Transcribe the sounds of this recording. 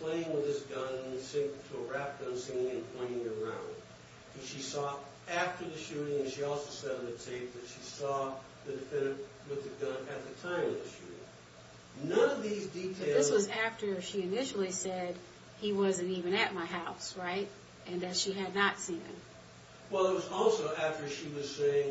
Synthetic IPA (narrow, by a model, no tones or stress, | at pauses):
pʰl̥eɪɪ̃ŋwɨð̥ɨsɡ̥ʌ̃nsɪ̃ŋ̃tʰəəɹæp̚ɡ̥ʌ̃nsɪ̃ŋɪ̃ŋɨ̃npʰɔ̃ɪ̃ñɪ̃ŋɪ˞ã̰ʊ̃nd̥̚ | ɨ̃ʃisɔ | æftə˞ðɨʃʉɾɪ̃ŋɨ̃nʃiɔlˠsoʊsɛɾɨ̃n̩ðɨtʰeɪp̚ðɨtʃisɔ | ðɨdɨfɛ̃nɨ̃t | wɨððɨɡʌ̃nɨt̪̚ðɨtʰãɪ̃mʌvðɨʃʉ̰ɾɪ̰̃ŋ | nʌ̃nʌvðizditʰeɪðɪswʌzæftə˞ʃiɨnɪʃl̩ˠisɛd̚ | iwʌzɨ̃ntivɨ̃nɨt̚maɪɦaʊsɹaɪt̚ | ɨ̃nɨz̥ʃiɨdⁿnətsĩnɪ̰̃m | wɛlˠət̚wʌzɔlˠsoʊʔæftə˞ʃiwʌz̥seɪɪ̃ŋ